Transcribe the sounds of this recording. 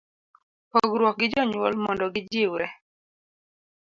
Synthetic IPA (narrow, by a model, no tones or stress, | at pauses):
pɔɡɾwɔk̚ɡɪd͡ʒɔɲwɔlmɔndɔɡɪd͡ʒɪwɾɛ